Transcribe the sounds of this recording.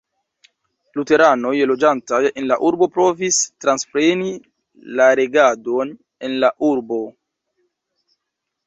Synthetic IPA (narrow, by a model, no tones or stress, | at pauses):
lute̞ɾano̞jlo̞d͡ʒantaje̞nlaʔuɾbo̞pɾo̞vistɾanspɾe̞ni | laɾe̞ɡado̞n | e̞nlaʔuɾbo̞